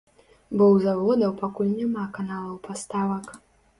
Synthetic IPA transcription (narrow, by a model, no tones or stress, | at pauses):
bɔwzavɔd̪ɐwpakulʲnʲamakanalˠɐwpast̪avɐk